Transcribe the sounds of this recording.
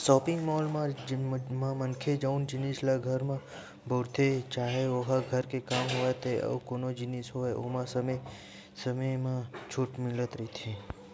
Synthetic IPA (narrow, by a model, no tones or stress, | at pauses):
sɔːpɪ̃ŋɡmɔːlmã | mãmənkʰed͡ʒaʊnd͡ʒɪnislaɡʱɐɾmã | bʱoːɾt̪ʰet͡ʃaːɦeoɦaɡʱəɾkekaːmɦoet̪eɔ̰koːnod͡ʒɪnisɦoeo̰ːmãsəm | səməjmãt͡ʃʰʊʈmɪlət̪ɾit̪ʰẽ